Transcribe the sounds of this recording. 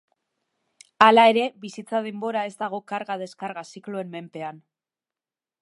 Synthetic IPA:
alae̞ɾe̞βisit͡sað̞e̞mbo̞ɾae̞zd̪aɣ̞o̞kaɾɣaðe̞skaɾɣasikloe̞mme̞mpe̞an

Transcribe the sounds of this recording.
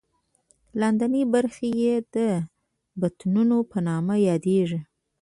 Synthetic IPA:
land̪anibaɾxejed̪̥ə | bat̪nunopənɑmajɑd̪eʐi

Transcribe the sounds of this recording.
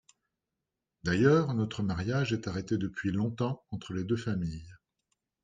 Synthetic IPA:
d̪ajœːʁnɔt̪χəmaʁjaʒɛt̪aʁet̪ed̪əpɥilɔ̃t̪ɑ̃ɑ̃t̪χəled̪øfamij

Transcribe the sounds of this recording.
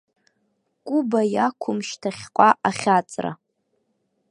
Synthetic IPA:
kʷʼʊbajakʷʰʊmʃtʰaχʲqʷʼaʔaχʲat͡sʼra̰

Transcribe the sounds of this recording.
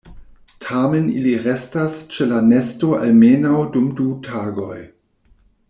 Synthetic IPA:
tʰamenḭliɾestast͡ʃelanestoʔa̰lmenawdumdutʰaːɡoj

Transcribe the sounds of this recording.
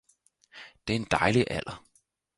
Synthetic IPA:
d̥e̝ɐe̝nd̥ɑ̈ɪliʔæl̰ɐ

